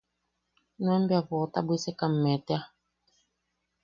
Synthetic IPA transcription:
nwɛmbjavɔta̰besɛkam̩mɛtɛa

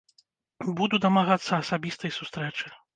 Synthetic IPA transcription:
bud̪ud̪ɐmaɣat̪sːɐːsabʲist̪ɐjsust̪ɾɛt͡ʂɨ

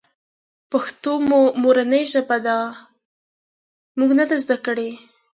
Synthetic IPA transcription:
paxt̪omomoɾanəjʒabad̪a | muɡnad̪azd̪akəɽe

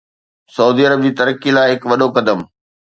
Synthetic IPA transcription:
sɐuːd̪iːɐɾəb̚d͡ʑiːt̪ɐɾəkːilaːɪɦɪkʋɐɗokɐd̪əm

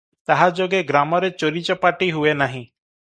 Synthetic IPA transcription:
t̪aɦad͡ʒoɡeɡɾamɔɾet͡ʃɔɾit͡ʃɔpaʈiɦuenaɦĩ

